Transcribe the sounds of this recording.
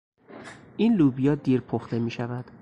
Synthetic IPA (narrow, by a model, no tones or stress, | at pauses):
ʔiːnluːbijɒːd̪iːɾpʰoxt̪ʰe̞miːʃævæd̪̥